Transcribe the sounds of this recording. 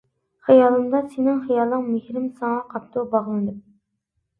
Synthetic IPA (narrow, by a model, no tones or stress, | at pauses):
χijɑlˠɨmd̪ɑsenɪŋχijɑlˠːɨŋmehɾɪmsɑŋɑqʰɑp̚t̪ʰubɑʁlˠɨnɨp̚